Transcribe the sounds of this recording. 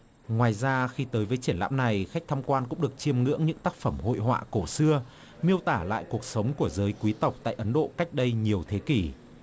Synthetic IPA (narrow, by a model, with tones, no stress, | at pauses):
ŋwaː˨˩jzaː˧xi˧t̪əː˨˦jvəː˨˦jt͡ɕi˧˩ənla̰ː˧˥mna˨˩jxa˦˥k̚t̪ʰa˧mkwaː˧nkʊ̰˧˥ŋ͡mɗək̚t͡ɕi˧əmŋɨ̰˧˥əŋɲɨ̰˧˥ŋt̪aː˦˥k̚fə˧˩mho̰˧˨jɦwa̰ː˧˨ko˧˩sɨ˧ə | mi˧əwt̪aː˧˩la̰ː˧˨jku˨˩ək̚sə˨˦wŋ͡mku˧˩əzəː˨˦jkwi˨˦t̪ə˨˩wk͡p̚t̪a̰ː˧˨jʔə˨˦nɗo̰˧˨ka˦˥jk̟̚ɗə˧jɲi˨˩əwt̪ʰe˨˦ki˧˩